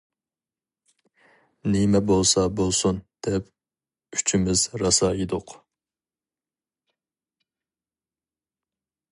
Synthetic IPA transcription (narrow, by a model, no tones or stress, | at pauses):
nimɛbolˠsɑbolˠsund̪̥ɛp̚ | yt͡ʃʰimɪzɾɑsɑjid̪ʊq